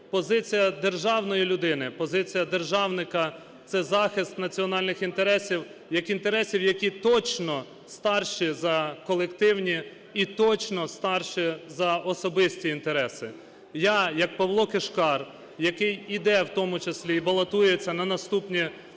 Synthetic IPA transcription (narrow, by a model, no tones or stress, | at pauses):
pɔzɪt͡sʲijɐd̪e̞rʒɑwnɔjilʲʊd̪ɪnɪpɔzɪt͡sʲijɐd̪e̞rʒɑwnɪkɐ | t̪sɛzɑxɪst̪nɐt͡sʲiɔnɑlʲnɪxint̪eɾɛsʲiwjɐkint̪e̞ɾɛsʲiwjɐkʲit̪ɔt͡ʃnɔ | st̪ɑrʃizɐkɔlˠekt̪ɪwnʲi | it̪ɔt͡ʃnɔst̪ɑrʃizɐʔɔsɔbɪsʲtʲiːnt̪eɾɛsɪ | jɑjɐk̚pɐwlˠɔkeʃkɑr | jɐkɪjid̪ɛwt̪ɔmʊt͡ʃɐsʲlʲiːbɐlˠɐt̪ujet͡sʲːɐnɐnɐst̪upnʲi